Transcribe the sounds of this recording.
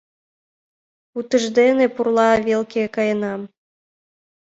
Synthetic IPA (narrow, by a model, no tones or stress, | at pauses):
ut̪ə̆ʒd̪enĕpurlˠɑβʲelˠkʲekɑjɤ̆nɑm